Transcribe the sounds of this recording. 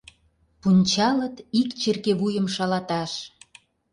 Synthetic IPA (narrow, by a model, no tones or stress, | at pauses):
punʲt͡ɕɑlə̆t̪ikt͡ɕerkeβujə̆mʃɑlɑt̪ɑʃ